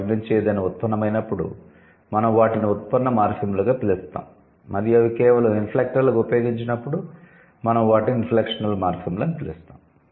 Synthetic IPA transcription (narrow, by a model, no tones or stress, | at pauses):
ɡment͡ʃɛːd̪ɐjnɐut̪̚pɐnːɐmɐjnɐpːuɽṵ | mɐnɐmʋaːʈiniut̪̚pɐnːɐmaːɾpʰimlɐɡaːt̪ilust̪a̰ːm | mɐɾijɐʋikɛːʋɐlɐminpʰleːk̚ʈɐɾlɐkupjo̞ːɡiɲt͡ʃinɐpːuɽu | mɐnɐmʋaːʈininpleːkʂɐnɐlmaːɾpimlɐɐnitp̪ilust̪aːm